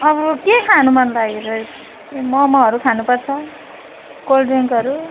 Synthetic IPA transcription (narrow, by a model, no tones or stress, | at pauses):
ʌbʌkekʰanumʌnlaɡeɾʌ | mʌmʌɦʌɾukʰanupʌrt͡sʰʌ | ɡ̥olɖiŋɡʌɾu